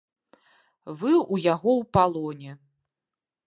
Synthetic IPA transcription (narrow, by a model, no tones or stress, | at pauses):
vɨujaɣɔwpalˠɔnʲɛ